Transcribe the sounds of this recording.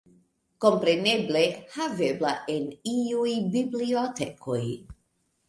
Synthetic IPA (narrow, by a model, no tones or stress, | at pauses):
ko̞mpɾeneblehaveblaʔeniujbibliotekʰoj